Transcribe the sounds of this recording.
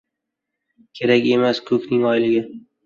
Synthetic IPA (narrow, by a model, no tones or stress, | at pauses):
kʲʰe̞ɾakʲe̞maskʰɵkʲnɪŋɒjlɪɡʲɪ